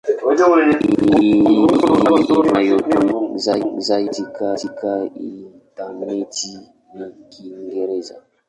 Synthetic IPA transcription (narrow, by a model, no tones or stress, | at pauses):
majotunuzazaitikatikaintaneti | nikiŋɡeɾeza̰